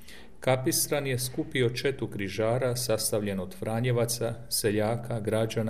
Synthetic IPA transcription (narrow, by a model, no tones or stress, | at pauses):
kapisɾanje̞skupio̞t͡ʃe̞t̪ukɾiʒaːɾasast̪aʋʎe̞nod̪fɾaːɲeʋat̪sase̞ʎaːkaɡɾad͡ʒan